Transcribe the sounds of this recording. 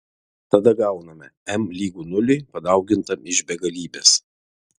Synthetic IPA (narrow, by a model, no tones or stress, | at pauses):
t̪ɐd̪ɐɡɐˑʊnɐmʲɛɛmlʲiːɡuːnʊlʲɪpɐd̪ɐˑʊɡʲɪnt̪ɐmɪʒbʲɛɡɐlʲiːbʲeːs